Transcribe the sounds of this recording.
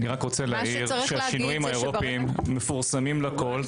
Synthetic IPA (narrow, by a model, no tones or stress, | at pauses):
niʁakʁo̞t͡selaiʁʃeaʃinuimhaeʁopimːefuʁsamimlako̞l